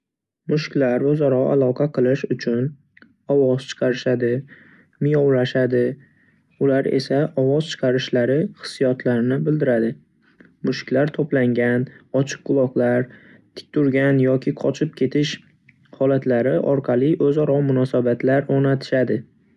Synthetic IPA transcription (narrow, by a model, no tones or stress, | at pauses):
mʊʃkʲlaɾɵzɒɾɒa̰lˠɒqʰɑqʰɨlˠɪʃʊt͡ʃʰʊn | ɒwɒz̥t͡ʃʰɨ̥qʰɑɾɪʃad̪ɪ | mɪjɒwlaʃad̪ɪ | ʊlaɾe̞̰saʔɒvɒz̥t͡ʃʰɨ̥qʰɑɾɪʃlaɾɪχɨ̥sːijɒt̪ʰlaɾɪnɪbɪld̪ɪɾad̪ɪ | mʊʃkʲlaɾt̪ʰoplaŋɡʲanɒt͡ʃʰɨ̥qːʰʊlˠɒqlaɾ | t̪ʰɪ̥k̚ʲt̪ʰʊɾɡʲanjɒkʲʰɪqʰɒt͡ʃʰɪp̚kʲʰe̞t̪ʰɪʃ | hɒlat̪laɾɪʔɒɾqʰɑlˠɪʔɵzɒɾɒmʊnɒsabat̪ʰlaɾoɾnat̪ʰɪ̥ʃad̪ɪ